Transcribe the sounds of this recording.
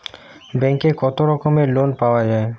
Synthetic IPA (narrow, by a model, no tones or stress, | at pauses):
bɛŋkekɔt̪oɾɔkomelonpaoad͡ʑae